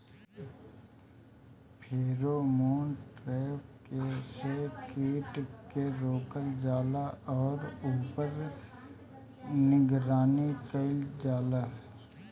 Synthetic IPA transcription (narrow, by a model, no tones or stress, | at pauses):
pʰeːɾomoːnʈɾɛːp̚kesekiːʈkeɾoːkəld͡ʒaːlaʔɔːɾuːpəɾ | nɪɡɾaːnikəɪld͡ʒaːla